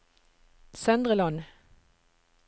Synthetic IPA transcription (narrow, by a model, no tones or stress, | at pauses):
sœnd̪ʁəlɑn